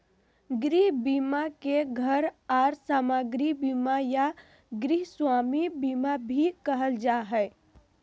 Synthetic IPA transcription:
ɡɾiɦbiːmakeɡʱəɾaːɾsaːmaɡɾibiːmaja | ɡɾiɦswaːmibiːmabʱikəɦəld͡ʒaːɦɛː

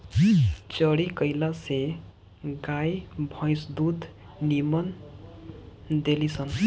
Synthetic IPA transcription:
t͡sʌɽikʌjlase | ɡajbʱʌ̃jsd̪ud̪ | nimʌn | d̪elit͡sʰʌn

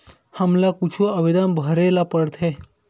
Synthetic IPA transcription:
həmlakut͡ʃʰuəʋed̪ənbʱəɾelapəɽt̪ʰe

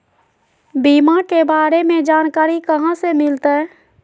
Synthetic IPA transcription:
biːmakebaːɾemẽd͡ʒaːnkaːɾikəɦãsemɪlt̪ɦɛ

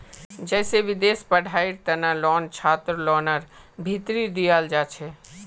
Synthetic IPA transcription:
d͡ʒɛːseʋɪd̪eːspəɽʱaːiɾt̪ənalɔːnt͡ʃʰaːt̪ɾlɔːnəɾbʱit̪ɾid̪ijaːld͡ʒaːt͡ʃʰe

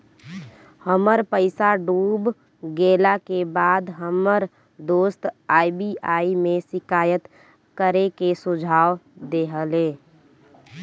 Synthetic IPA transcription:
həməɾpəɪsaɖuːb | ɡeːlakebaːd̪ɦəməɾ | d̪oːst̪aːɪbiaːimẽsɪkaːjət̪ | kəɾekesʊd͡ʒʱaːʋd̪eɦəlẽː

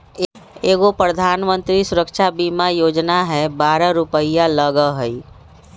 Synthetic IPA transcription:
eːɡopɾəd̪ʱaːnmə̃nt̪ɾisʊɾəkʃabimajoːd͡ʒnaɦɛbaːɾəɾʊpəijaləɡəɦəi

